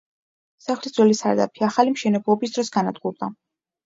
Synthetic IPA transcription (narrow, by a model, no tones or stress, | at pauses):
saχlisd̪zwɛlisa̰ɾd̪a̰pʰiaχalimʃɛnɛblˠɔbisd̪ɾɔsɡanad̪ɡʼuɾd̪a